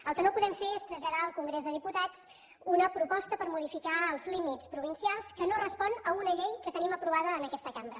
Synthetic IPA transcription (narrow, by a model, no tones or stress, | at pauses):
əlˠkənopuðɛmfeɾest̪ɾəʒʎəðaəlˠkuŋɡɾezðəðiput̪at͡s | unəpɾupɔst̪əpəɾmuðifikaəlˠzlimit͡spɾuβ̞insialˠskənorəspɔnəunəʎejkət̪əniməpɾuβ̞aðəːnəkɛst̪əkambɾə